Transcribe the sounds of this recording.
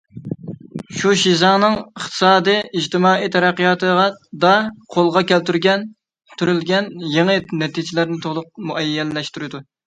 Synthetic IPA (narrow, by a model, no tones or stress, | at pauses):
ʃuʃizɑŋnɨŋəχt̪ʰɨ̥sɑːd̪ɨjid͡ʒt̪ɨmɑːit̪ʰɛɾæqːijɑt̪ʰəʁɑd̪ɑqʰolˠʁɑkʲælt̪yɾɡʲɛn | t̪ʰyɾylɡʲɛnjeŋɨnɛt̪ʰid͡ʒɪlæɾnɪt̪ʰolˠʊq̚muʔɛjːɛlːɛʃt̪yɾɪd̪u